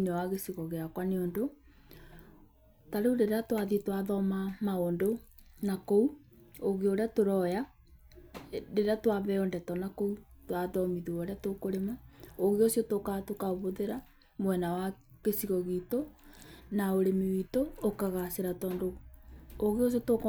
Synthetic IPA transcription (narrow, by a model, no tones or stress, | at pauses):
nɛwaɣesiɣɔɣeakwaneondo | taɾeudeɾeatwaðitwaðɔmamaondonakou | oɣeoɾeatoɾɔja | deɾeatwaβɛɔndɛtɔnakoutwaðɔmiðuoɾeatokoɾemaoɣeosjotokatokaoβoðeɾa | mwɛnawakesiɣɔɣito | naoɾemewitoːkaɣaseɾatɔːndo | oɣeos̬jotok